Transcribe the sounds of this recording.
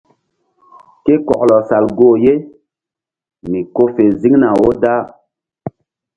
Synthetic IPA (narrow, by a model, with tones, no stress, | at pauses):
ke˦kɔ˨klɔ˨sa˨lɡo˦˨je˦ | mi˨ko˦fe˨zi˦ŋna˨wo˦da˦